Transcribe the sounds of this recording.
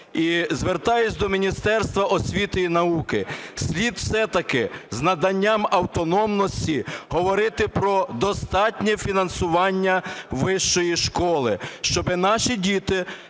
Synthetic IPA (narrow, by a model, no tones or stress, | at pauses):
izʋert̪ɑjʊsʲd̪ɔmʲinʲist̪ɛrst̪ʋɐʔɔsʲʋʲit̪ɪinɐukɪsʲlʲid̪wsɛt̪ɐkɪznɐd̪ɐnʲːamɐwt̪ɔnɔmnɔsʲtʲiɦɔʋɔɾɪt̪ɪpɾɔd̪ɔst̪ɑtʲnʲɛfʲinɐnsʊʋɑnʲːɐʋɪʃt͡ʃɔjiʃkɔlˠɪʃt͡ʃɔbɪnɑʃidʲit̪ɪ